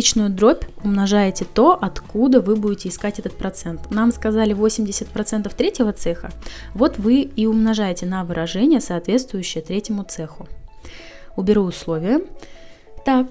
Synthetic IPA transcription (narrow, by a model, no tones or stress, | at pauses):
it͡ɕnʊjʊd̪ɾo̞pʲʊmnɐʐajɪtʲɪt̪o̞ʔɐt̪kud̪əvɨbudʲɪtʲɪɪskatʲɛt̪ət̪̚pɾɐt̪sɛnt̪namskɐzalʲɪvo̞sʲɪmʲdʲɪsʲət̪̚pɾɐt̪sɛnt̪əft̪ɾʲetʲjɪvət̪sɛxə̰vo̞t̪vɨiʊmnɐʐajɪtʲɪnɐvɨɾʔɐʐɛnʲɪjəsɐːt̪vʲe̞t̪st̪vʊjʏɕːɪjət̪ɾʲetʲɪmʊt̪sɛxʊ | ʊbʲɪɾuʊslˠo̞vʲɪjə | t̪ak̚